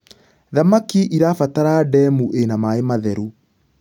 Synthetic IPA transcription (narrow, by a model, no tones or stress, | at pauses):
ðamakiʔiɾafataɾadɛmuʔenamaemaðɛɾu